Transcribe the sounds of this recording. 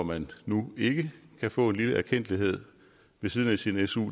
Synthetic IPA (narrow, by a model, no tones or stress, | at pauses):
mænːue̝ɡ̥əkʰæfɔ̰̽ːe̝nliləʔæɐkʰen̰d̥liɦe̝ð̞̰ˠ | ʋe̝siːð̞ˠənæsinesṵ